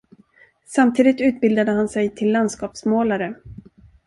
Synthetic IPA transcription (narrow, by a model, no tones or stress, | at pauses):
samt̪ʰiːd̪ɪt̪ʉ̟ːt̪̚bɪld̪ad̪əɦansɛjt̪ʰɪlːand̪skɑːpsmoːlaɾə